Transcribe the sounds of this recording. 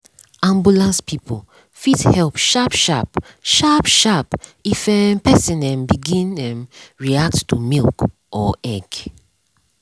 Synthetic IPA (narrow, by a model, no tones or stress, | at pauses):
ʔãmbulãnspʰipʰol | fidhɛlpʃapʃapʃapʃapifɛmpɛsĩnɛ̃mbiɡĩnɛ̃mɹiak̚ttumilˠk | ʔɔɛɡ